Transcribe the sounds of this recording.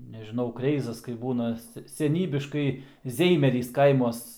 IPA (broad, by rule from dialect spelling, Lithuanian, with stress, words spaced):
nʲɛʒʲɪˈnɐʊ ˈkrʲɛɪzɐs kɐɪp ˈbuːnɐ ˈsʲɛ sʲɛˈnʲiːbʲɪʃkɐɪ ˈzʲɛɪmʲɛrʲiːs ˈkɐɪmuɔs